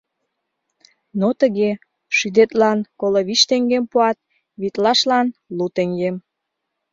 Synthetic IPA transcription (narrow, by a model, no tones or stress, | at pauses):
not̪əɣe | ʃyd̪et̪lɑnkoloβiʃt̪eŋɡempuɑt̪̚ | βit̪lɑʃlɑnlut̪eŋɡem